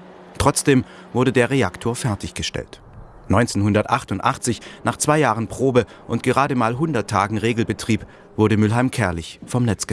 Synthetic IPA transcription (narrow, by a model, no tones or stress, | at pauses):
tʁ̥ɔt͡sd̥eːm | vʊɐdədeːɐʁeaktʰoːɐfɛɐtʰɪçɡ̥əʃtɛ̰lt | nɔʏnt͡senhʊndɐtʔaχtʊntʔa̰χt͡sɪçnaːχt͡sv̥aɪjaːʁənpʁ̥oːbə | ʔʊntɡ̥əʁaːdəmaːlɦʊndɐtʰːaːɡŋ̩ʁeːɡl̩bətʁ̥iːp | v̥ʊɐɾəmʏlɦaɪmkʰɛɐlɪçfɔmnɛt͡sɡ̥ə